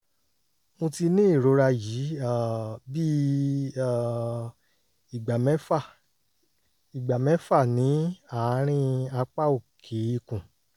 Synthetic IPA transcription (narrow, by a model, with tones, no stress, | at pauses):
mũ˧ti˧nĩ˦i˦˨ɾo˨˧˦ɾa˧ji˨˦a˦˨bi˦˨ | i˨ɡ͡ba˨mɛ˦fa˦˨ | i˨ɡ͡ba˨mɛ̃˨˦fa˦˨nĩ˨˦a˨˦ɾ̃ĩ˦a˧k͡pa˦o˨kʰe˨˦i˦˨kũ˨